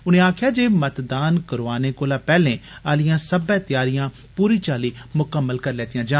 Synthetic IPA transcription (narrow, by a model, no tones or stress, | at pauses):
ʊnẽːaːkʰɪjaːd͡ʒeːmət̪d̪aːnkəɾʋaːneːkoːlaːpɛːlẽːaːlɪjãːsəbɛ̃ːt̪jaːɾɪjãː | puːɾiːt͡ʃaːliːmʊkəmːəlkəɾlɛːt̪ijãːd͡ʒaː